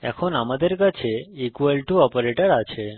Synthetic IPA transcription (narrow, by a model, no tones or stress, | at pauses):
ɛ̰kʰonamad̪əɾkət͡ʃʰeikʋəlʈuɔpəɾeʈəɾat͡ʃʰe